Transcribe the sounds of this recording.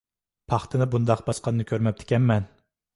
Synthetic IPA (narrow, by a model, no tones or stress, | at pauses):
pʰɑχt̪ʰɨnɨbund̪ɑqbɑsqɑnːɨkʲʰøɾmɛp̚t̪ʰɪ̥kʲɛmmɛn